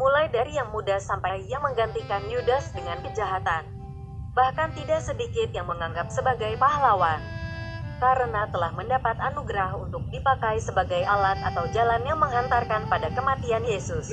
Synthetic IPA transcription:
mulajdaɾijaŋmudasampajjaŋməŋɡant̪ikanjudasdəŋankəd͡ʒaɦat̪an | bahkant̪idaʔsədikɪt̪jaŋməŋaŋɡap̚səbaɡajpahlawan | kaɾənat̪əlahməndapat̪anuɡɾaɦunt̪ʊk̚dipakajsəbaɡajalat̪̚at̪awd͡ʒalanjaŋməŋɦant̪arkanpadakəmat̪ianjesʊs

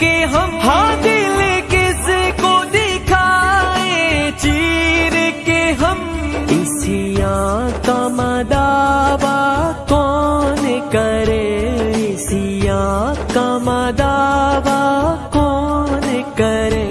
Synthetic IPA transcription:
keɦɐmhaːd̪ilekesekod̪ekʰaːẽt͡ʃiɾkeɦɐmɪsijãkamaːd̪abaːkɔnekɐɾeɪsijakamad̪aːbaːkɔːnekɐɾeː

